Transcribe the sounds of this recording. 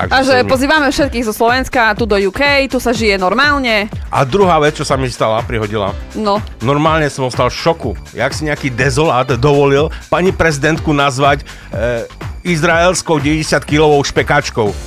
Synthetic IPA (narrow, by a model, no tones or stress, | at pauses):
a̰ɡaʒɛpɔziːʋamɛfʃɛt̪̚kiːɣzɔslɔʋɛnskat̪ud̪ɔjukɛjt̪usaʒijɛnɔɾmaːlɲɛʔa̰d̪ɾuɦaːʋɛt͡st͡ʃɔsamist̪alapɾiɦɔɟila̰nɔnɔɾmaːlɲɛsɔmɔst̪alfʃɔkuja̰ːksiɲɛakiːd̪ɛzɔlaːd̪d̪ɔʋɔlilpaɲipɾɛzid̪ɛnt̪kunazʋac | izɾaɛlskɔʊɟɛʋɛɟɛsɪat̪kilɔʋɔʊʃpɛkaːt͡ʃkɔʊ